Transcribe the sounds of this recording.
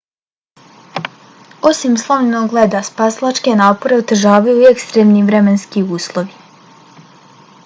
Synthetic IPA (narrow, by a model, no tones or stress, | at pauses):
o̞simslˠannoɡled̪aspaslˠat͡ʃke̞naːpo̞ɾe̞ot̪r̩ʒaːʋajuiekst̪ɾemniʋɾe̞menskiuːslˠo̞ʋi